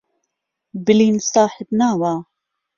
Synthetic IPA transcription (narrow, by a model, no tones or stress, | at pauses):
bɨliːnsaːħət̪naːwaː